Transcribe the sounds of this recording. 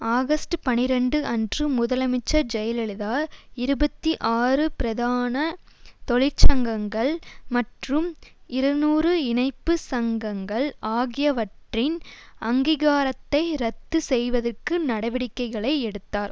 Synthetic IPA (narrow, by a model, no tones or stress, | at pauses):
aːɣɐsʈɯpɐnɪɾɐɳɖɯʔɐndrɯmʊðɐlɐmɪt͡ʃːɐd͡ʒɛjɐlɛɭɪðaːɪɾɯbɐt̪ːiʔaːrɯpɪɾɐðaːnɐ | t̪ɔɭɪɾt͡ʃɐŋɡɐŋɡɐɭmɐʈrɯmɪɾɐnuːrɯɪnɐɪpːɯsɐŋɡɐŋɡɐɭaːɣɪjɐʋɐʈrɪn | ɐŋɡiɣaːɾɐt̪ːɐɪɾɐt̪ːɯsɛjʋɐðɐrkːɯnɐɽɐʋɪɽɪkːɐɪɣɐɭɐɪɛɽɯt̪ːaːɾ